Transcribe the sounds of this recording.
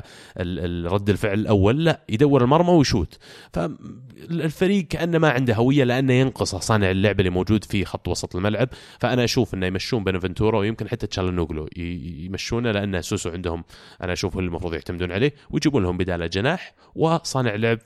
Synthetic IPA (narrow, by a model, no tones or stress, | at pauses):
ʔɪlɪɾˤɑd̪ːɪlfɪʕlɪlʔawːalːaʔjd̪awːɪɾɪlmɑɾˤmawjʃuːt̪fa | lfaɾiːɡ̚kaʔanːamaʕɪnd̪aɦawɪjːalɪʔanːajɪnqɨsˤɑsˤɑːnɪʕɪlːʊʕbɪlːimoːd͡ʒuːd̪fixɑt̪ˤːwɑsˤɑt̪ˤɪlmalʕab̚ | faʔanaʔaʃuːfʔɪnːajmaʃːuːmbeːnavɪnt̪uːɾˤɑwjɪmkɪnħɪt̪ːat̪ʃalanːuːɡlṵjmaʃːuːnalɪʔanːasuːsuʕɪnd̪hʊmʔa̰naʔaʃuːfkʊlːɪlmɑfɾuːðˤjɪʕt̪amd̪uːnʕaleːwɪjd͡ʒiːbuːnlahʊmbɪd̪aːlad͡ʒanaːħ | wɪsˤɑːnɪʕɪlːʊʕb̚